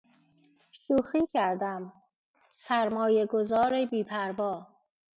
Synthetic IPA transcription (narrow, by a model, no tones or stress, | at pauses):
ʃuːxiːcʰæɾd̪æm | sæɾmɒːjeɡozɒːɾebiːpʰæɾvɒː